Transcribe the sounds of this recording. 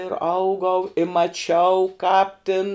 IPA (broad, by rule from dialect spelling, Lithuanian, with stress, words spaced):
ɪr ˈɐʊɡɐʊ ɪ mɐˈt͡ʃʲɛʊ kɑːp tʲɪn